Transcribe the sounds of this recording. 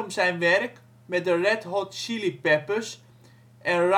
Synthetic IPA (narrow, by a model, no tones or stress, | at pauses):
msɛjnʋɛrk | mɛdərɛtɦɔtʃilipɛpəs | ʔɛnr